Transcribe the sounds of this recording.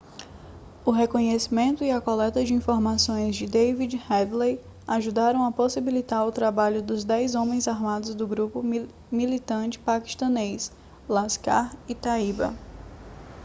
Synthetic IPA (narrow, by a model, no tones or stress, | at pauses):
ʊɦekõɲesimẽnt̪ʊiɐkolɛt̪ɐd͡ʒɪĩfoɾmasõj̃zd͡ʒɪd̪ejvid͡ʒhɛd̪lej | aʒud̪aɾɐ̃w̃ɐposibilit̪aɾʊt̪ɾabaʎʊd̪ʊzd̪ɛjzõmẽj̃zaɾmad̪ʊzd̪ʊɡɾupʊ | milit̪ɐ̃t͡ʃɪ̥paki̥ʃt̪ɐ̃nejs | laska̰ɾit̪aibɐ̰